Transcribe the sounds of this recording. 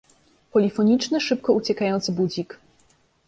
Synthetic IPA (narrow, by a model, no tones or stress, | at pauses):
pɔlʲifɔɲit͡ʂnɘʂɘp̚kɔut͡ɕɛkajɔnt̪sɘbud͡ʑik